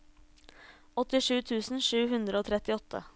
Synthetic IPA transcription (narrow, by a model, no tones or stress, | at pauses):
ɔt̪ɪʂʉːt̪ʰʉːsn̩ʂʉːɦʉnd̪ɾəoːt̪ʰɾɛt̪ɪɔt̪ʰːə̰